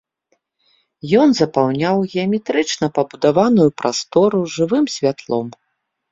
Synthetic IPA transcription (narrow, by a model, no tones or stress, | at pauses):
jɔnzɐpawnʲawɣʲɛɐmʲɛt̪ɾɨt͡ʂnɐpɐbud̪avanujupɾʔast̪ɔɾuʐɨvɨmsʲvʲat̪lˠɔ̰m